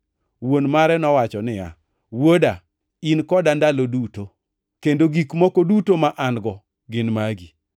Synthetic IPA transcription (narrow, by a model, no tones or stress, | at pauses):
wonmaɾɛnɔwat͡ʃɔnɪja̰ | woda | inkɔdandaloduto | kendoɡikmɔkodutomaʔanɡɔ | ɡɪnmaɡi